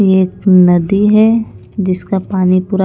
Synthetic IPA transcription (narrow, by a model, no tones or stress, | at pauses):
eːknɐd̪iɦɛ | d͡ʒɪskapaːnipʊɾa